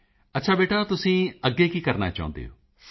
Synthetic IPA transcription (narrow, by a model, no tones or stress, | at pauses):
ətːʃʰaːbeːʈaːt̪ʊsĩːəɡːeːkiːkəɾna̰ːt͡ʃa̰ːʊ̰̃nd̪ḛːɦo̰ː